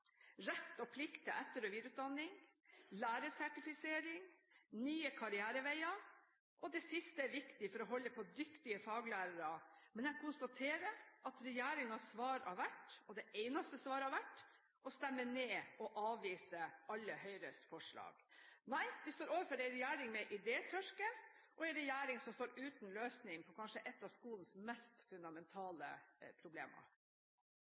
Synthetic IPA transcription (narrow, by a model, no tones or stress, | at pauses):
ɾɛt̪ːɔpʰlɪkt̪ɛɛt̪ːəɾɔʋid̪ɾʉt̪̚d̪ɑnːɪŋlæːɾəsæʈɪfɪseːɾɪŋnyːəkʰɑɾɪæːɾəʋæɪɑ | ʔɔd̪ɛsɪst̪əæɾʋɪkt̪ɪfɔɾɔɦɔlːəpʰɔd̪ʏkt̪ɪəfɑːɡlæːɾəɾɑmɛnjɛkʰʊnst̪ɑt̪ʰeːɾəɾʔɑt̪ɾɛjæːɾɪŋɑsʋɑːɾɑ̰ʋæʈːɔd̪ɛʔɛɪnɑst̪əsʋɑːɾəɑʋæʈː | ɔst̪ɛmːəɳeːɔʔɑːʋiːsəʔɑlːəhœʏɾəsfɔʂɭɑ̰ːɡ̥næɪʋɪst̪oːɾoːʋəɾfɔɖɛɾɛjæːɾɪŋmɛʔɪd̪eːt̪ʰœʂkə | ʔɔɛɾɛjæːɾɪŋsɔmst̪oːɾʉːt̪nløːsnɪŋpʰɔkʰɑnʂəʔɛt̪ːɑʋskuːlənsmɛst̪fʉnd̪ɑmɛnt̪ʰɑːlə̰pʰɾʊblḛːmɑ̰